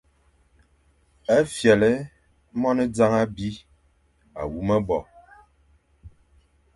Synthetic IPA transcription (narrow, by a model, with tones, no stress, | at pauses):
ɛ˦fjɛ˨lɛ˦ | mɔ˦nə˦d͡za˦ŋa˦bi˦ | a˨wu˦mə˦bɔ˨